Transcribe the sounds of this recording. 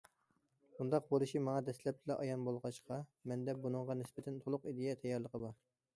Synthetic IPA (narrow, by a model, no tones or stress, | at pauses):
bund̪ɑq̚bolˠuʃimɑŋɑd̪ɛslɛp̚t̪ɪlɛʔɑjɑnbolˠʁɑʃqʰɑmɛnd̪ɛbunɨŋʁɑnɪsbɪt̪ʰɛnt̪ʰolˠʊqid̪ejɛt̪ʰɛjːɑɾlˠəqʰəbɑɾ